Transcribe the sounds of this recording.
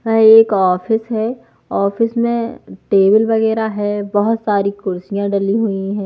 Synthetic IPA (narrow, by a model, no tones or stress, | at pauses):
ʋɛɦeːkɔːfɪsɦɛ | ɔːfɪsmẽʈeːbɪlʋɐɣɛːɾaɦɛbɐɦʊt̪saːɾikʊɾsijãɖɐliɦuiɦɛ̃ː